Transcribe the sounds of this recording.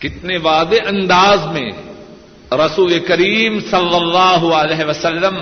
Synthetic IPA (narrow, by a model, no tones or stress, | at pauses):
kɪt̪neʋaːd̪eʔɐ̃nd̪aːzmḛ̃ | ɾɐsuːlekɐɾiːmsɐlːɐlːaːɦʊɐlɛːɦʋɐsɐlːəm